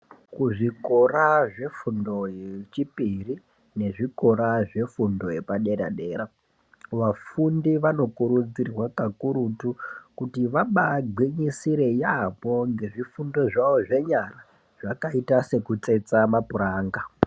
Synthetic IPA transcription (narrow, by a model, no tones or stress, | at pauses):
kuʐiko̞ɾaʐe̞fundo̞jet͡ʃipiri | ne̞ʐiko̞ɾaʐe̞fundo̞je̞paɗe̞ɾa̰ɗe̞ːɾa | ʋafundiʋano̞kuɾud͡zirwakakuɾutukutiʋaɓaɡʱiɲisiɾe̞japo̞ŋɡe̞ʐifundo̞ʐaʋo̞ʐe̞ɲara | ʐ̥akaitase̞kut͡se̞t͡samapuɾaːŋɡa